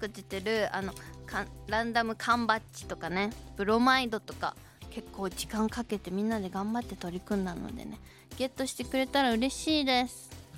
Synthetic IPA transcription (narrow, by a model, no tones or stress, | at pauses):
kɯ̟t͡ɕit̪e̞ɾɯ̟a̰no̞kʰãɾãnd̪amɯ̟kʰãmbat͡ɕːi̥t̪o̞kane̞pɯ̟ɾo̞maid̪o̞t̪o̞̥ka̰ | ke̞kːo̞ːd͡ʑikãŋkake̞t̪e̞mʲĩnːad̪e̞ɡãmbat̪ːe̞t̪o̞ɾʲikɯ̟̃nd̪ano̰d̪e̞̰ne̞ | ɡ̥e̞t̪ːo̞ɕi̥t̪e̞kɯ̟ɾe̞t̪aɾaɯ̟ɾe̞ɕiːd̪e̞sɨ̥